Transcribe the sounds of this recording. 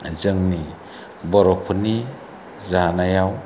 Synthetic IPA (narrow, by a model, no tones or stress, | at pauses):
zɯŋni | bɔɾɔpʰɯni | zaanajaw